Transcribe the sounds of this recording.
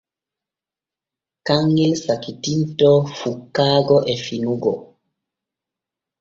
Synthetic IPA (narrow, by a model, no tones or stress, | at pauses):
kaŋːɛlsakitintɔfukːaːɡɔʔɛfinuɡɔ